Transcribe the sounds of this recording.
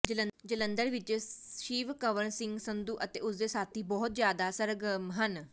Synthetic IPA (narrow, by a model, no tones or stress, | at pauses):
d͡ʑələd͡ʒələnd̪əɾʋid͡ʒəʃiːʋkəʋəɳsiŋɡsənd̪uːʔɐt̪eʔusd̪esat̪iːbɔɦut̪̚d͡ʑjaːd̪asəɾɡmɦən